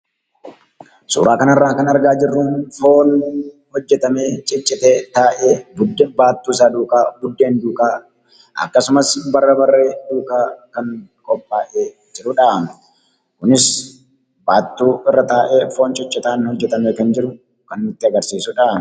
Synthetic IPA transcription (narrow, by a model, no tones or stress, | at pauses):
sṵːɾʔaːkɐnɐrːaːkɐnɐɾɡaːd͡ʒɪrːuːnfo̞ːn | hɔd͡ʒːɛt̪ɐmeːt͡ʃʼɪt͡ʃʼːɪt̪eːt̪aːʔeːbʊd̪ːeːbaːt̪ːuːs̬aːd̪uːkʼaːbʊd̪ːe̞ːnd̪uːkʼaː | ɐ̰kːɐsʊmɐsbɐrːɐbɐrːe̞ːd̪uːkʼaːkɐŋkʼɔpʼːaːʔeː | d͡ʒɪɾʊᶑaːmɛ | kʊnɪs | baːt̪ːuːɪrːɐt̪aːʔeːfo̞ːnt͡ʃʼɪt͡ʃʼːɪt̪aːnhɔd͡ʒːɛt̪ɐmeːkɐnd͡ʒɪɾʊ | kɐnːɪt̪ːɪɐɡɐɾsiːsʊᶑaːmɛ